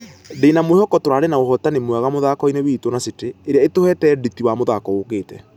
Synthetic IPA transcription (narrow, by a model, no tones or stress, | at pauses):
denamohɔkɔtoɾanenaoɦɔtanemwaɣamoðakɔinewitwɔnaseteːɾeaetohɛtɛditiwamoðakɔokeːtɛ